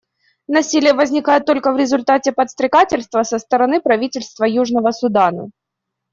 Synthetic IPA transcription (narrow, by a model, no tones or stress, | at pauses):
nɐsʲilʲɪjəvəzʲnʲɪkajɪt̪ːolʲkəvɾʲɪzʊlʲt̪atʲɪpət̪st̪ɾʲɪkatʲɪlʲst̪vəsəst̪əɾɐnɨpɾɐvʲitʲɪlʲst̪vəjuʐnəvəsʊd̪anə̰